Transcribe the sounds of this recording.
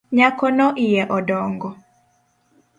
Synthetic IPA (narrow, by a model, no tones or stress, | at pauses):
ɲakɔnɔʔijɛʔɔdɔŋɡɔ